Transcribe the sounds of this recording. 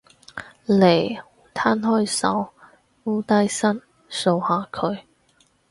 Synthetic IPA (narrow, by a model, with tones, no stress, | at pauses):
le˨˩j | t̪ʰa˥˨nhɔ˥˩jsɐ̰˨˥w | uː˥t̪a˥˩jsa˥˩n | so˧whaː˨˧kʰɵ˨˧˦ɥ